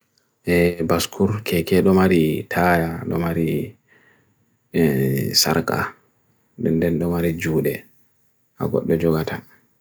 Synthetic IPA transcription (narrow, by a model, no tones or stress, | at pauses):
ʔɛbaskʰuɾkʰɛkɛɗɔmaɾitʰaːjaɗɔ̰maɾi | sa̰ɾka̰ | dɛndɛnɗɔmaɾid͡ʒuːɗɛ | ʔa̰ɡɔ̰ɗːɔd͡ʒɔɡatʰa